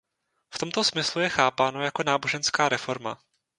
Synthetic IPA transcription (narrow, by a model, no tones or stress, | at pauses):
ft̪o̞mt̪o̞smɪslujɛxaːpaːno̞jako̞naːbo̞ʒɛnskaːɾɛfo̞ɾma̰